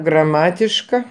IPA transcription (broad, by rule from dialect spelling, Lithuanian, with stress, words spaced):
ɡrɐˈmɑːtʲɪʃkɐ